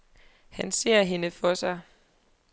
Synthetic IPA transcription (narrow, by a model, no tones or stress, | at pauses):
hænse̝̰ɐ̰ɦe̝nəfɒ̽sɑ̈ɪ